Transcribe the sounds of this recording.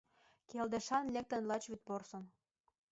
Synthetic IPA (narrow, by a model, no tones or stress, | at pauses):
keld̪ĕʃɑnlʲek̚t̪ə̆nlɑt͡ɕβyt̪̚porsɤ̆n